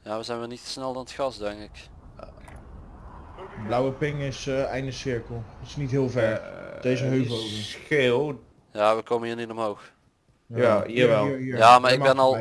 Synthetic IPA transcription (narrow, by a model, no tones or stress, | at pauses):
jaːʋəzɛjnʋɛlˠnitə̥snɛlˠdɔnətxɑsdɛŋkɪk | blawəpɪŋɪsɛjndəsɪɹkəlˠtɪ̥snitɦɪːlˠvɛɹd̥ezəɦøvosxelˠ | jaːʋəkowməniːɹnitɔmɦowx | aɦiːɹʋɛlˠjaːmaɹɪɡbɛnɔlˠ